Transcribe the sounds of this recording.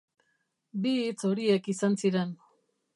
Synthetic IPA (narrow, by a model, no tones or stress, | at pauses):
biːt͡so̞ɾie̞kisansiɾe̞n